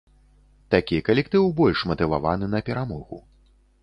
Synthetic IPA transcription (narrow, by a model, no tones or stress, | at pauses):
t̪akʲikɐlʲɛkt̪ɨwbɔlʲʂmɐt̪ɨva̰vanɨnɐpʲɛɾamɔɣṵ